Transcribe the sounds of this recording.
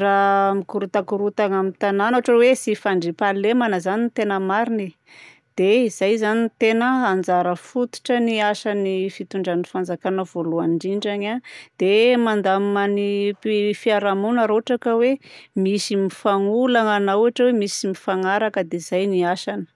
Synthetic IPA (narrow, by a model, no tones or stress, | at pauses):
ramikuɾut̪akuɾut̪aŋamint̪ananoaʈ͡ʂəwesifaɳɖ͡ʐipalemanəzanint̪enəmaɾini | d̪̥eizajzanint̪enəand͡zaɾəfut̪u̥ʈ͡ʂəniaʃanifit̪uɳɖ͡ʐanifand͡zakanəv̥oluaɳɖ͡ʐiɳɖ͡ʐaɲad̪̥emand̪amaniifiaɾamunaɾoʈ͡ʂakəwemisimifaŋulaŋanauaʈ͡ʂəwemisimifaŋaɾakəd̪eiz̥ajniaʃanə̥